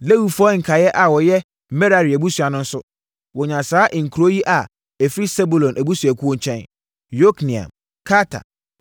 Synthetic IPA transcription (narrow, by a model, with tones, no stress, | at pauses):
le˦wu˨fɔ˦ŋ̩˨kʰa˨jɛ˦ʔa˨wɔ˨jɛ˦ | mɛ˦ɾa˨ɾi˨æ˨bu˦su˨a˨nʊ̃˦n̩˦sʊ˦ | wɔ˨ɲã˨saː˨˦ʔŋ̩˨kʰu˨ɾo˦ji˦ʔa˨ | ɛ˨fɾi˦sɛ˦bu˨lɔ̃˨nʔæ˨bu˦su˨æ˨kʰu˦õ˦ɲ˦t͡ɕʰɛ̃˦n | jo˦knĩ˨ã̰˨m | kʰa˦tʰa̰˨